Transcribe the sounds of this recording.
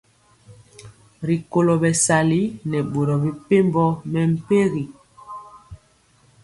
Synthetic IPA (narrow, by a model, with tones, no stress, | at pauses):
ɾi˨ko˨lo˨bɛ˨sa˨li˦nɛ˨ɓo˨ɾɔ˨bi˨pe˦mbɔ˦mɛ˨m̩˦˨pe˦ɣi˨